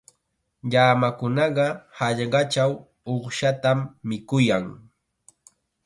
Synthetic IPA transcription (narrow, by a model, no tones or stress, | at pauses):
ʎaːmakʊnɑɢɑhaʎɢɑt͡ʃaw | oχʃat̪amːɪkʊjaŋ